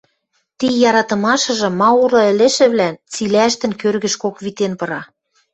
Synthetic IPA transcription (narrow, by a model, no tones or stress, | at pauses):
t̪ijɑɾɑt̪ɤ̆mɑʃɤ̆ʒɤ̆mːɑuɾɤ̆ɘ̆lĕʃɘ̆βlænt͡silæʃt̪ɘ̆nkørɣɘ̆ʃkokβit̪enpɤ̆ɾɑ